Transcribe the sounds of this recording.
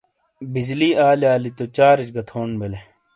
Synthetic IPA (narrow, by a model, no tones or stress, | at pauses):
bid͡ʑliːaːliaːlit̪ot͡ɕaːɾit͡ɕɡɐt̪ʰoːnbele